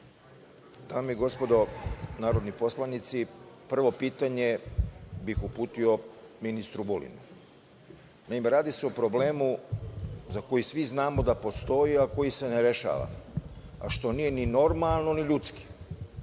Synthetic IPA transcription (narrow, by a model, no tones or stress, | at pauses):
d̪aːmiɡo̞spo̞d̪o̞naːɾo̞d̪nipo̞slanit̪sipr̩ʋo̞piːt̪aɲe̞ | bixupuːt̪io̞minist̪ɾubolḭnu | naimeɾaːd̪iseopɾo̞ble̞ːmu | zako̞jisʋiznaːmo̞d̪apo̞st̪o̞iako̞jise̞neɾe̞ʃa̰ʋa̰ | a̰ʃt̪o̞niːje̞nino̞ɾmalˠno̞niʎut̪ski̥